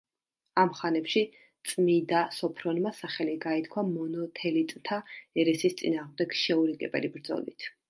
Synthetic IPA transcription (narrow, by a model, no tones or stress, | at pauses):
amχanɛpʃi | t̪sʼmid̪asɔpʰɾɔnmasaχɛliɡait̪ʰkʰwamɔnɔt̪ʰɛlit̪ʼnt̪ʰaɛɾɛsist̪sʼinaːʁmd̪ɛɡ̥ʃɛuɾiɡʼɛbɛ̰libɾd̪zɔ̰lḭt̪ʰ